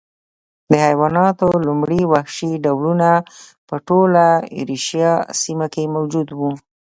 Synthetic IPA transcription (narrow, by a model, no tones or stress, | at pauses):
d̪əhajwɑnɑt̪olumɽiwahʃiɖawlunapəʈola̰ɾiʃjɑsimakemawd͡ʒud̪wu